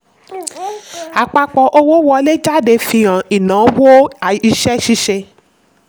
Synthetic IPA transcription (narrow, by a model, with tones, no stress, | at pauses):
a˨k͡pa˧k͡pɔ˨ʔo˧wo˦wɔ˧le˦d͡ʒa˦˨de˧fĩ˧ã˨i˨nã˨˦wo˦a˨i˧ʃɛ˦ʃi˧ʃe˧